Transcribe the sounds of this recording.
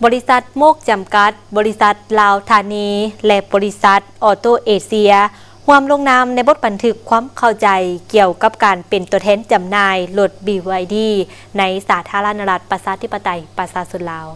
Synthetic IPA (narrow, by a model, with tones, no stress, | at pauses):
bɔː˧˦li˦˥sa˧˦t̪̚moː˥˩k̚t͡ɕa˨˩mka˧˦t̪̚bɔː˨˦li˧sa˧˦t̪̚laː˧wt̪ʰaː˧niː˧lɛ˧ʔbɔː˨˧li˦˧˥sa˧˦t̪̚ʔɔː˧˩t̪oː˧˩ʔeː˧˩si˧ɐ | hu˧əmlo˧˥˨ŋnaː˧˥mna˧˥jbo˧˥t̪̚ba˨nt̪ʰɯ˧˥kʰːwaː˧˥˨mkʰa˧˩wt͡ɕa˨˩jki˧əwka˧˦p̚kaː˨npe˨nt̪u˧˩ət̪ʰɛː˧˥˨nt͡ɕa˨mnaː˧jlo˧t̪̚biː˧˩wa˧jdiː˧˩ | na˧˥jsaː˨˦t̪ʰaː˧˥la˧naː˧la˧t̪̚pa˧saː˧˥t̪ʰi˧˥pːa˧t̪a˨jpa˧saː˧˦so˧˥˦nlaː˨˧w